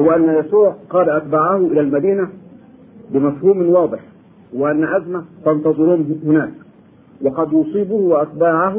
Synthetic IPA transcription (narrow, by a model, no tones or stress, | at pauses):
wʔanːajæsuːʕqɑːlaʔat̪̚baːʕahʊʔɪlalmad̪iːna | bɪmafhuːmɪwɑːd̪ˤɨħ | wɪʔanːaʔazmat̪ɑnt̪ɑzˤɨɾuːnhʊnaːk | wɑqɑd̪jʊsˤiːbʊhwaʔat̪̚baːʕaɦʊ